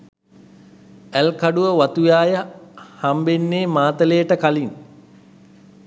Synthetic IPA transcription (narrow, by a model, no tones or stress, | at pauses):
ælkaɖuʋəʋat̪ujaːjəhambenːeːmaːt̪əlejəʈəkalin